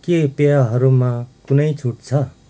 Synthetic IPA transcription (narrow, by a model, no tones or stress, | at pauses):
kepeaɦʌɾumakunʌjt͡sʰuʈ̚t͡sʰʌ